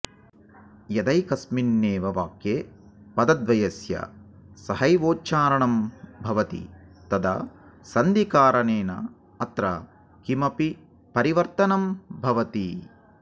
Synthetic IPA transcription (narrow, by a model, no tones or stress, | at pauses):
jɐd̪ɐjkɐsminːeːʋɐʋaːkjeː | pɐd̪ɐd̪ʋɐjɐsjɐ̰ | sɐhɐjʋoːt͡ʃaːɾɐɳɐmbʱɐʋɐt̪ḭt̪ɐd̪ɐ̰sɐnd̪ikaːɾɐneːnɐ̰ | ɐt̪ɾɐ | kimɐpi | pɐɾiʋɐɾt̪ɐnɐmbʱɐʋɐt̪i